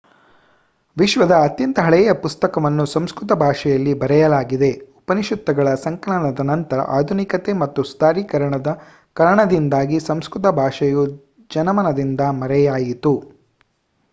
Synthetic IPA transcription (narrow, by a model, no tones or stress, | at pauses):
ʋiʃʋɐd̪ɐːt̪jɐnt̪ɐɦɐɭɛjɐpust̪ɐkɐʋɐnːusɐmskɾut̪ɐbʱaːʂɐjɐlːibɐɾɛjɐlaːɡid̪e̞upɐniʃud̪ʱːɐɡɐɭɐsɐŋkɐɭɐɳɐd̪ɐnɐnt̪ɐɾɐ̰ʔaːd̪ʱunikɐt̪e̞mɐt̪ːust̪aːɾiːkɐɾɐɳɐd̪ɐ | kɐɾɐɳɐd̪ind̪aːɡisɐmskɾut̪̬ɐbʱaːʂɐju | d͡ʒɐnɐmɐnɐd̪ind̪ɐmɐɾɛjaːjit̪u